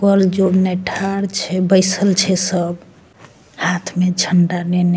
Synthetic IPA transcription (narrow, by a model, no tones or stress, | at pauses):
kəld͡ʒonɛʈʰaɽt͡ʃʰɛbəɪsəlt͡ʃʰɛsəb | hat̪ʰmed͡ʒʰʱəɳɖanɛne